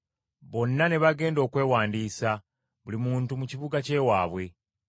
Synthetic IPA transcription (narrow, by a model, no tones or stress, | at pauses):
βo̞nːane̞βaɡe̞ːndo̞ːkwe̞ːwaːndiːsa | βulimuːntumuciβuɡace̞ːwaːβwe̞